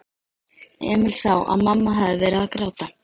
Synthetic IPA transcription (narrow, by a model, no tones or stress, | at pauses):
ɛ̰ːmɪlsawʔa̰ðmamːaɦaðɪvɛːɾɪaakɾaːwt̪a